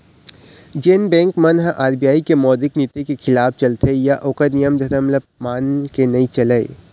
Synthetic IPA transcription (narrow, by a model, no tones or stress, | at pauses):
d͡ʒeːnbɛ̃ːŋkmɐnɦʔaːɾbijaːikemɔːd̪ɪknit̪ekexʰɪlaːb̚t͡ʃɐlt̪ʰejaʔoːkəɾnijəmd̪ʱɐɾəmlɐ | maːnkenɐĩt͡ʃɐləḛ